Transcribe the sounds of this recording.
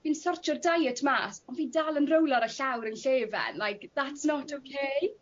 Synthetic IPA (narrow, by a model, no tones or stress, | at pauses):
viːnsɔrt͡ʃʰɔrdajətʰmaːsɔnviːndaːlˠənrowlˠaɾəɬawɾənɬeːvɛ̰nlajkðatsnɔtʰokʰej